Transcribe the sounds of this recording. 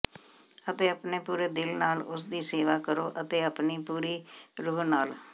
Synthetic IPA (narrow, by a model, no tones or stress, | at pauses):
ət̪eːəpneːpuːɾeːd̪ɪlnaːlʊsd̪iːseːʋaːkəɾoːʔət̪eːəpniːpuːɾiːɾuːɦnaːl